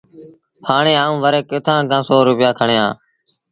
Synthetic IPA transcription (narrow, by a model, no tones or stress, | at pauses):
pʰaːɳeːaːũːʋəɾeːkɪt̪ʰãːkʰãːsoːɾʊpɪjaːkʰəɳeːã̰ː